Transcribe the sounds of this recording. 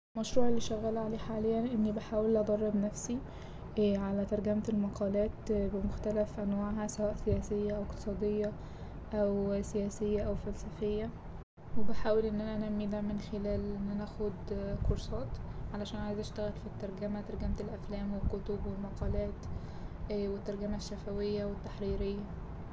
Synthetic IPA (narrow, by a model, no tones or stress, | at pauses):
mæʃɾuːʕelːiʃæɣæːlʕaleːħaːlejːænʔenːibaħaːwelːʔɑd̪ˤɑrˤːɑbnæfsi | ʕalæt̪ɑɾˤɡæmelmɑqʰɑːlæːt̪bemoxt̪ælæfʔænwaːʕɦæsæwæːʔsejæːsejːæʔæwekt̪e̥sˤɑːd̪ejːɑ | ʔæwsejæːsejːæʔæwfælsæfejːæ | webeħaːwelʔenːʔænæʔænæmːid̪æmenxelæːlʔenːænæxod̪koɾsˤɑːt̪ʕalæʃæːnʔʕajzʔæʃt̪æɣælfit̪ːɑɾˤɡæmæt̪ɑɾˤɡæmt̪ælʔæflæːmwelkot̪obwelmɑqɑːlæːt̪ː | wet̪ːɑɾˤɡæmæʃːæfæwejːæwet̪ːaħɾiːɾejːæ